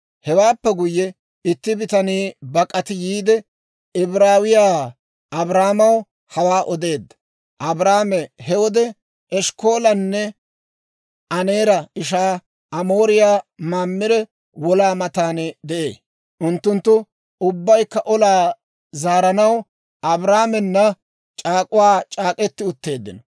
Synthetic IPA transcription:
hɛwaːpːɛɡʊjːɛ | ɪt̪ːɪbɪt̪ɐniːbɐkʼɐt̪ɪjiːd̪ɛ | ɪbɾaːwɪjaː | ʔɐbɾaːmɐw | hɐwaːʔɔd̪e̞ːd̪ːɐ̥ | ʔɐbɾaːmɛhɛwɔd̪ɛ | ʔɛʃko̞ːlɐnːɛ | ʔɐneːɾɐɪʃaː | ʔɐmo̞ːɾɪjaːmaːmːɪdɛ | wɔlaːmɐt̪aːnɛd̪ɛʔḛː | ʔʊnt̪ːʊnt̪ːʊ | ʊbːɐjkːɐʔɔlaː | zaːɾɐnɐw | ɐbɾaːmɛnːɐ | t͡ʃʼaːkʼʊwaːt͡ʃʼaːkʼɛt̪ːɪʊt̪ːe̞ːd̪ːɪnɔ

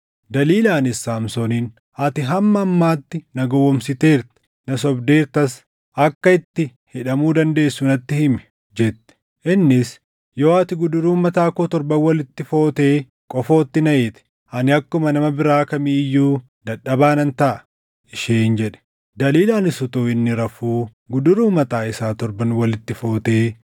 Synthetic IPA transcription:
d̪ɐliːlaːnɪsːaːmsɔniːn | ɐt̪ɪɦɐmːɐːmːaːt̪ːɪnɐɡɔwɔmsɪt̪e̞ːɾt̪ɪ̥ | nɐsɔbd̪e̞ːɾt̪ɐs | ɐkːɐɪt̪ːɪ | hɪᶑɐmuːd̪ɐnd̪e̞ːsːunɐt̪ːɪhɪmɛ̥ | d͡ʒɛt̪ːɛ̥ | ʔɪnːɪs | jo̞ːɐt̪ɪɡʊd̪ʊɾuːmːɐt̪aːkoːt̪ɔɾbɐnwɐlɪt̪ːɪfo̞ːt̪e̞ː | kʼɔfo̞ːt̪ːɪnɐʔeːt̪ɛ̥ | ɐnɪɐkːʊmɐnɐmɐbɪɾaːkɐmiːɪjːuː | d̪ɐᶑɐbaːnɐnt̪ɐʔɐ | ɪʃeːnd͡ʒɛᶑɛ̥ | d̪ɐliːlaːnɪsʊt̪oːɪnːɪɾɐfuː | ɡʊd̪ʊɾuːmɐt̪aːɪsaːt̪ɔɾbɐnwɐlɪt̪ːɪfo̞ːt̪e̞ː

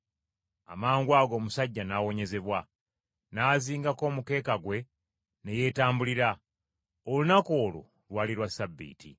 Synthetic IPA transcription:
a̰maːŋɡwaːɡo̞ːmusaɟːanaːwo̞ɲe̞ze̞βwa | naːziːŋɡako̞ːmuke̞ːkaɡwe̞ | ne̞je̞ːtaːmbuliɾa | olunako̞ːlṵ | lwaːliɾwasabːḭːtḭ

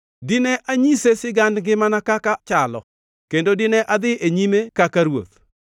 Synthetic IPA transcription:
dɪnɛʔʔaɲisesɪɡandɡɪmanakakat͡ʃalɔ̰ | kendodɪnɛʔad̪ɪʔeɲimekakaɾwo̰t̪̚

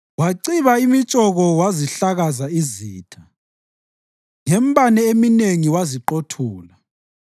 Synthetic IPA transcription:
waǀiβaimit͡ʃʼɔɣɔwaziɬaɣazaiziːtʰa | ŋɛm̩banɛemineŋiwaziǃotʰuːla

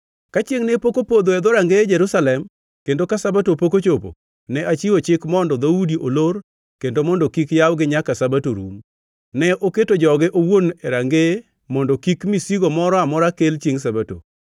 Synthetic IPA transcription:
kat͡ʃeŋnepokopod̪oɛd̪oɾaŋɡed͡ʒɛɾusalɛm | kendokasabatopokot͡ʃopo̰ | nɛʔat͡ʃiwot͡ʃɪkmɔndɔd̪audiʔolor | kendomɔndɔkikjawɡɪɲakasabatoɾṵm | nɛʔoketod͡ʒɔɡɪʔowoneɾaŋɡe | mɔndɔkikmisiɡomɔɾɔamɔɾakelt͡ʃjeŋs̬abato̰

